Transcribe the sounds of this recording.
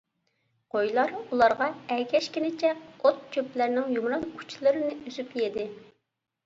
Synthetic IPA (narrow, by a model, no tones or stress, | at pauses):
qʰojlˠɑɾulˠɑɾʁɑɛɡʲɛʃkʲinɪt͡ʃʰɛot̪̚kʲʰøplæɾnɪŋjumɾɑnkʰu̥t͡ʃʰlˠɨɾɨnɪyzypjed̪ɪ